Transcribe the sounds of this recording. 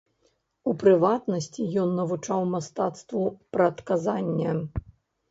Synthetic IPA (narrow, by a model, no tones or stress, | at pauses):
upɾɨvat̪nɐsʲt͡sʲijɔnːɐvut͡ʂawmast̪at̪st̪vupɾɐt̪kazanʲːɐ